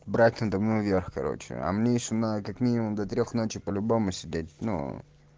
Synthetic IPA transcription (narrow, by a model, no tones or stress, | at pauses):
bɾat̪mənt̪əmnuvʲerxkɐ̰ɾo̞̰t͡ɕɪ̰ɐ̰mnʲeɪʃʊmnakakmʲinʲɪmʊmd̪ɐt̪ɾʲoxnot͡ɕɪpəlʲʊbo̞mʊsʲɪdʲet̚ʲnṵ